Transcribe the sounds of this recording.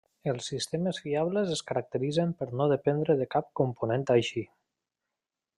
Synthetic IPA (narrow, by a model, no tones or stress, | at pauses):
əlˠsːist̪eməzfiaβləzəskəɾək̚t̪əɾizəmpəɾnoðəpend̪ɾəðəkap̚kumpunẽnt̪ajʃi